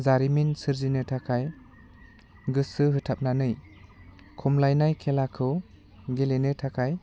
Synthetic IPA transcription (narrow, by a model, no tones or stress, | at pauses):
zaɾiminsɯɾzinɯtʰakʰaj | ɡɯsɯɦɯtʰap̚nanɯj | kʰɔmlajnajkʰelakʰɯw | ɡelenɯtʰakʰaj